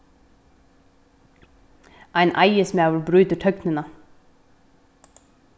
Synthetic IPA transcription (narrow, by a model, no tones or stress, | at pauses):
ʔæɪnʔæɪəsmæːʋəlbɾʉːt̪əʈʰœknənə